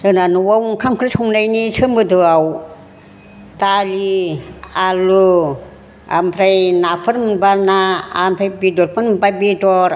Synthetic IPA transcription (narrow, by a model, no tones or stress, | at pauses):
sɯnanuwawŋkʰamkʰɾsʰuŋnajnisʰɯmɯdɯaw | t̪alialu | a̰mpʰɾajnapʰɯɾmbanaːmpʰɾajbidɔɾpʰɯnbabidɔɾ